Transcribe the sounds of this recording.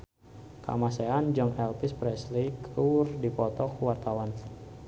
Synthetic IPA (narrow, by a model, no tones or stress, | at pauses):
ka̰maseand͡ʒɔŋɛlpispɾɛslikurdipɔt̪ɔkwart̪awan